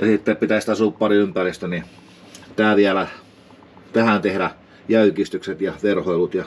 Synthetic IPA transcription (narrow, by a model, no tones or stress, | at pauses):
jɑsit̪ːeppit̪æst̪æsuːppɑriympærist̪øni | t̪æːˑʋiælæ | t̪æhæˑnt̪ehɾæ | jæykist̪ykset̪jɑʋerhoilut̪jɑ